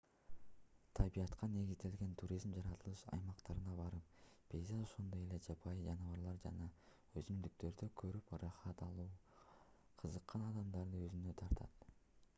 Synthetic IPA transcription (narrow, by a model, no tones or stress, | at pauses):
t̪ʰɑbijɑt̪qʰɑne̞ɡʲizd̪e̞lɡe̞nt̪ʰuɾʲizmd͡ʒɑɾɑt̪ɯlˠɯʃɑ̰jmɑqt̪ɑɾɯnɑbɑɾɯp̚ | b̥ʲezɑoʃond̪o̞je̞led͡ʒɑpʰɑjd͡ʒɑnɯβɑɾlˠɑɾd͡ʒɑ̰nɑ | øzymd̪yk̚t̪ø̞ɾd̪økʰøɾyprɑχɑt̪ɑlˠuː | qʰɯzɯqːɑnɑd̪ɑmd̪ɑɾd̪ɯøzynø̞t̪ʰɑɾt̪ʰɑ̰t̪